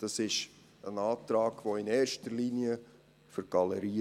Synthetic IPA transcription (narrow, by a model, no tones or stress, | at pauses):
d̥ɑsɪʃ | ənɑːtɾɑːɡ̥ʋoɪnɛːrʃtəɾliniə | fəɾɡ̥ɑləɾiː